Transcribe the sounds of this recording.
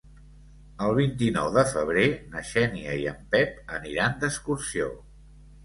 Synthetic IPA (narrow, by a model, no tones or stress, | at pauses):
əlˠβ̞int̪inɔwðəfəβ̞ɾenəʃɛniəiəmpɛpəniɾand̪əskursio̰